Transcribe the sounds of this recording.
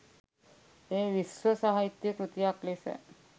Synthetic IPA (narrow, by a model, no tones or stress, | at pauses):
ɦeʋisʋəsaɦait̪jəkɾut̪iaklesḛ